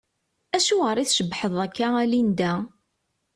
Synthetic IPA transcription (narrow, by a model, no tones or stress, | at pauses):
æʃuʁəɾˤiθʃəbħəðˤækːaælind̪æ